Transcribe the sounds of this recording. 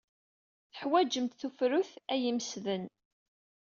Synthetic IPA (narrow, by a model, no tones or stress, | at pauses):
θəħwæd͡ʒəmt̪θufɾʊθæjimsðən